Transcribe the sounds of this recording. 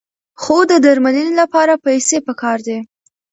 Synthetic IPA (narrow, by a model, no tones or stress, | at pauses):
xod̪əd̪aɾmalənelapɑɾapajsepəkɑɾd̪e